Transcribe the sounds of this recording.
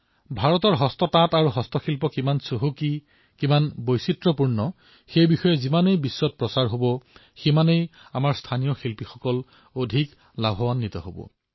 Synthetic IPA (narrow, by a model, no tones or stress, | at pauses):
bʱaɹɔtɔɹɦɔstɔtataɹuɦɔstɔxilpɔkimansoɦuki | kimanbojsitɹɔpuɹnɔ | xejbixɔjɔzimanejbisːɔt̚pɹɔsaɹɦobɔ | ximanejamaɹstʰanijɔxilpixɔkɔl | odʱik | labʱɔwanːitɔ̰ɦo̰bɔ̰